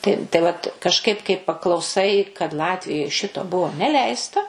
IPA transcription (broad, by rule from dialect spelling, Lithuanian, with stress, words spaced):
tɐɪ tɐɪ ˈʋɐt kɐʃˈkɐɪp kɐɪ pɐklˠɐʊˈsɐɪ kɐt ˈlˠɑːtʲʋʲɪjoːj ˈʃʲɪtoː ˈbʊʋoː nʲɛˈlʲɛɪstɐ